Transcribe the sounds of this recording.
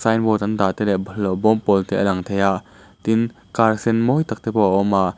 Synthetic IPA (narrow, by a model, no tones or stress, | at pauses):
sajnbɔt̪ɐnd̪aʔt̪ɛlɛʔblɔwbɔmpɔlt̪ʰɛʔəlɐŋt̪ʰejaʔ | t̪ɪn | kaɾsɛnmɔjt̪ak̚t̪ɛbɔʔaʔɔmʔaʔ